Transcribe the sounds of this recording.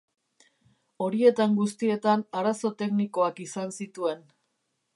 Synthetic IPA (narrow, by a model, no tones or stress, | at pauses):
o̞ɾie̞t̪aŋɡust̪ie̞t̪anaɾaso̞t̪e̞kniko̞akisansit̪ue̞n